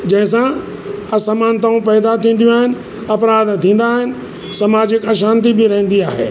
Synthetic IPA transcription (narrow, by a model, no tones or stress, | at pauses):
d͡ʑɐ̃ɦɪ̃sã | ɐsɐmaːnt̪aːũpɛːd̪at̪ʰĩːn̆d̪jũaːɦɪnɪ̆ | ɐpɾaːd̪t̪ʰĩːn̆d̪aːɦɪnɪ̆ | sɐmaːd͡ʑɪkɐʃaːnt̪̬ibɪɾɐɦə̃n̆d̪iaːɦḛː